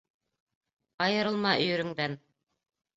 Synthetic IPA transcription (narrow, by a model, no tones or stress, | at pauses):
ɑjɤ̆ɾɤ̆lˠmɑʔɵ̆jɵ̆ɾɵ̆ŋd̪æn